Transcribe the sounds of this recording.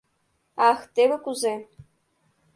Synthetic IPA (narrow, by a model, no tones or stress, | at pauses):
ɑxt̪ebɘkuze